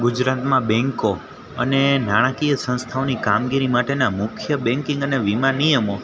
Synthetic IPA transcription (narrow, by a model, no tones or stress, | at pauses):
ɡud͡ʒɾat̪mãbɛ̃ŋko | ənenaɽ̃akijəsə̃nst̪ʰaonikamɡiɾimaʈenamʊkʰjəbɛ̃ŋkĩŋɡəneʋimanijəmo